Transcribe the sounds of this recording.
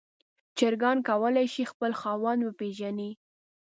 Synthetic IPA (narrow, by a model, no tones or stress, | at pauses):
t͡ʃəɾɡɑnkawəlajʃixpəlxɑwanwəpeʒani